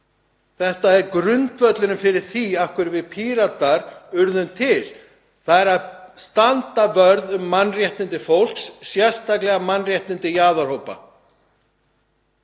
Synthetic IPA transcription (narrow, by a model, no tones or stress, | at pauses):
θɛht̪aɛɾkɾʏnt̪vœt̪lɪnʏmfɪɾɪɾ̥θiafkvʏɾvɪðpʰiːɾat̪aɾʏɾðʏnt̪ʰɪl | θaðɛɾaðst̪ant̪avœɾðʏmːanːrjɛht̪ɪnt̪ɪfowl̥ksːjɛr̥st̪aklɛɣamanːrjɛht̪nɪnt̪ɪjaːðaɾ̥howpa̰